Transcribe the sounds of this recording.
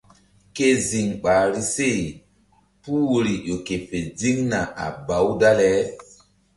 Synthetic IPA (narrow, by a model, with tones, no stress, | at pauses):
ke˦zi˨ŋɓaː˨ɾi˦se˦˨ | pu˦wo˨ɾi˨jo˨ke˨fe˨d͡zi˦ŋna˨a̰˨ba˨˦wda˦lɛ˨˦